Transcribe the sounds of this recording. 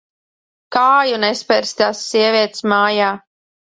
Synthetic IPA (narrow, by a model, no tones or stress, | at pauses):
kaːjunɛspʲɛɾst̪asːiɛviɛt̪smaːjaː